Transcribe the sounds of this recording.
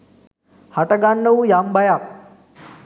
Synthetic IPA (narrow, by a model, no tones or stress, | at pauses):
haʈəɡanːəujambajak̚